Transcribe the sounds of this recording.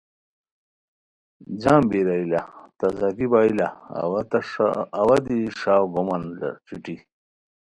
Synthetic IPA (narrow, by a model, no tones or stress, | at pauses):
d͡ʑãːmbiɾailat̪ɐzakibaːila̰wat̪ɐːwɐd̪iʂaːwɡomɐnla̰t͡ɕiʈi